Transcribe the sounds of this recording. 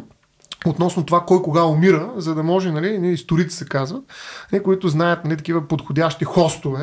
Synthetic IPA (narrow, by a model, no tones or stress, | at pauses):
ot̪nɔsnot̪ovakɔjkoɡaomiɾəzɐd̪ɐmɔʒɛnɐliniist̪ʊɾit̪i̥sɛkazvət̪̚ɐlikʊit̪ʊznajət̪nɐlit̪ɐkivəpot̪xodʲjaʃt̪ixɔst̪ovɛ